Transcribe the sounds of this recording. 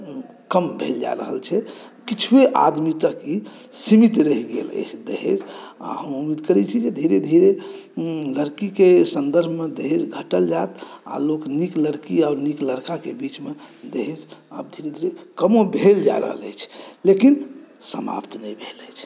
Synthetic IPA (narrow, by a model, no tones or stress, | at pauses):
kəmbʱeld͡ʒa̰ɾə̰ɦə̰lt͡ʃʰɛkit͡ʃʰweʔa̰d̪mit̪əkisimit̪ɾəɦɡḛlə̰t͡ʃʰd̪ḛɦḛd͡ʒa̰həmumid̪kəɾɛt͡ʃʰid͡ʒed̪ʱiɾed̪ʱiɾe | ləɾkikesənd̪əɾbʱmed̪eɦed͡ʒɡʱəʈəld͡ʒat̪a̰loknikləɾkiaːɾnikləɾkakebit͡ʃmed̪eɦed͡ʒəb̚d̪ʱiɾed̪ʱiɾekəmobʱeld͡ʒa̰ɾə̰ɦə̰lə̰jt͡ʃʰlekinsəma̰pt̪nəjbʱeləjt͡ʃʰ